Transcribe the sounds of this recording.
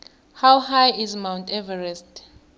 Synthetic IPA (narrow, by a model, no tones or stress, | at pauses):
hawhajizmãwntʰʼɛvɛɹɛstʼ